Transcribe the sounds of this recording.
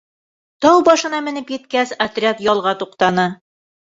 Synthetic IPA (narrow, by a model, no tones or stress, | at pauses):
t̪ɑwbɒʃɤ̆nɑmɘ̆nɘpjɘ̆t̪̚kæsɐt̪rʲat̪jɒlˠʁɑt̪uqt̪ɑnɤ